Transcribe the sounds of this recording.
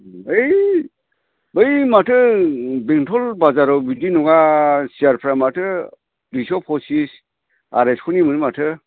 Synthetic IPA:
ɯj | bɯjmatʰɯbeŋtʰɔlbazaɾɔbidinuɡasiaɾpʰɾamatʰɯ | ɾisɔpʰɔsis | a̰ɾeskʰunimɯnimatʰɯ

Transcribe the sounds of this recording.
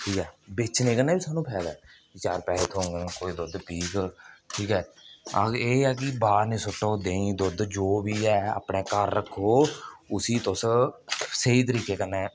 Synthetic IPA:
ʈʰiːkɛːbɪt͡ʃʰnẽːkənːẽːbiːsaːnũːpʰɛːd̪ɛ̰ːkɪt͡ʃaːɾpɛːleːt̪ʰõːŋɡ̃koːiːd̪ʊd̪piːkʈʰiːkɛːəeːɛːkɪbaːɾnĩːsʊʈːod̪eːĩːd̪ʊd̪d͡ʒoːbiːɛːa̰ːpɳeːkəɾːəkʰːoːʊsiːt̪ʊs | seiːt̪̬əɾiːkeːkənːɛː

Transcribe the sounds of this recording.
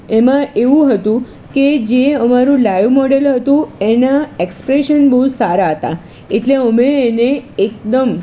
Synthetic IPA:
emãʔeʋũɦət̪ũ | ked͡ʒeəmaɾũlajʋmɔɽelɦət̪ũenaekspɾeʃənbəɦut̪saɾaɦət̪a̰ | eʈleəmeːneːk̚d̪əm

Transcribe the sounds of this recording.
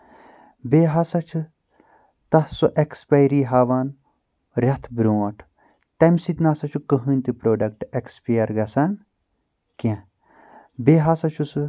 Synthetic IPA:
beːɦasɐt͡ʃʰɨ | t̪ɐsuʔekspɐjɾiːɦaːʋaːn | ɾʲɐt̪ʰbɾuɐʈʰ | t̪ɐmsit̪naːsɐt͡ʃʰukɐɦɨnʲt̪ipɾoːɖɐk̚ʈekspijɐɾɡɐsan | kẽ | beːɦasɐt͡ʃʰusɨ

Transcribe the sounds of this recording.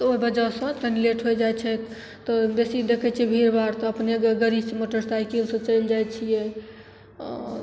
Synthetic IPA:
oibəd͡ʒasə̃t̪ənileʈɦojd͡ʒajt͡ʃʰɛt̪ | t̪ɔbesid̪ekʰɛt͡ʃʰiɛbʱiɾbaɾt̪ɔəpneɡɡəɾisẽmoʈəɾst̪ʰaikinsɔ̃t͡ʃənd͡ʒajt͡ʃʰijɛ

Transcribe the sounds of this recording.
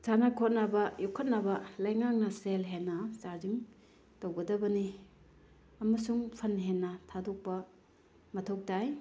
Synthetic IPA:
sanakʰot̚nabɐjukʰɐt̚nɐbɐlɐjŋak̚nɐselɦenːɐsaziŋ | towɡɐdɐbɐni | ɐmɐsuŋpʰɐnɦenːɐtʰadok̚pɐ | mɐtʰok̚taj

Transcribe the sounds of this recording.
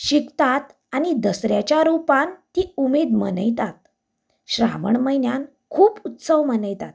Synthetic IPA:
ɕikt̪at̪ | aɽ̃id̪əsɾjat͡ɕjaɾupãnt̪iumed̪mənəjt̪at̪ | ɕɾa̰məɳməjnjan | kʰuːput̪səʋmənəjt̪at̪

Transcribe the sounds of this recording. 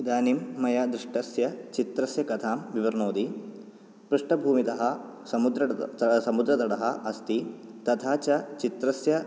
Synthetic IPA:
id̪aːnimːɐjaːd̪ɾiʂʈɐsjɐt͡ʃit̪ɾɐsjɐkɐt̪ʰaːmʋiʋɐɾnoːd̪i | pɾuʂʈɐbʱuːmit̪ɐɦɐ | sɐmud̪ɾɐsɐmud̪ɾɐd̪ɐɽɐɦɐ̆ʔɐst̪it̪ɐt̪ʰaːt͡ʃɐt͡ʃit̪ɾɐsjɐ

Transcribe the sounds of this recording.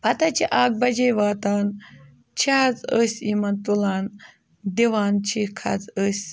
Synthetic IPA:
pɐt̪ɐt͡ʃʰiʔaːk̚bɐd͡ʒejʋaːt̪aːn | t͡ʃʰiɦɐd͡zəsʲimɐnt̪ulaːn | d̪iʋaːnt͡ʃʰikʰɐ̰d͡zəsʲ

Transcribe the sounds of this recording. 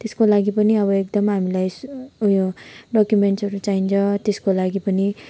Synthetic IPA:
t̪eskolaɡipʌniʌβʌek̚d̪ʌmɦamilajsjoɖʌkjumeɳʈsʌɾut͡saint͡sʰʌt̪eskolaɡipʌni

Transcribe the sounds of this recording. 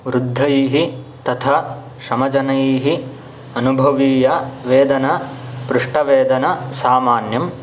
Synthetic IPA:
ʋɾud̪ʱːɐjiːɦi | t̪ɐt̪ʰɐ | ʃɐmɐd͡ʒɐnɐjiːɦi | ɐnubʱɐʋiːjɐʋeːd̪ɐnɐpɾuʂʈɐʋeːd̪ɐnɐsaːmaːnjɐm

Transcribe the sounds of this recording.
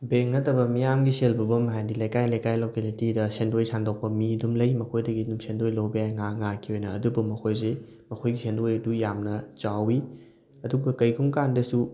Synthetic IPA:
beŋnɐtɐbɐmijamɡiselbɐbɐmɦajdilɐjkajlɐjkajlokelitidɐsendojsandok̚pɐmidumlɐjmɐkʰojdɐɡidumsendojlowbijajŋaŋakʰːiɦojnɐ̰ːdubumɐkʰojze | mɐkʰojɡisendojɐdujamnɐt͡ʃawi | ɐduɡɐkɐjɡʰuŋkandɐsu

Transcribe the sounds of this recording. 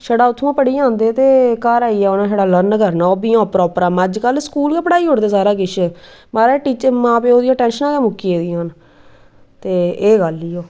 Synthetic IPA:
ʃəɽaːʊt̪ʰːũːpəɽiːãːnd̪eːt̪eːkəɾaːiːɛːoːnãːʃəːɽaːləɾnkəɾnaːoːbiːãːpɾɔːpəɾaːməd͡ʒkəlskuːlkeːpəɽaːiːɦʊɽd̪eːsaːɾaːɡɪʃɛmaːɾeːʈiːt͡ʃəmãːpeːoːd̪ijãːʈɛ̃ːnʃənãːkeːmʊkːieːd̪iːãːn | t̪eːeːɡəliːoː

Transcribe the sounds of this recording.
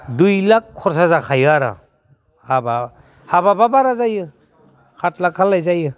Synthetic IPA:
dujlakʰːɔɾs̬azakʰajɯaɾa̰ | haba | habababaɾazajɯ | kʰat̚lakʰalːajzajɯ

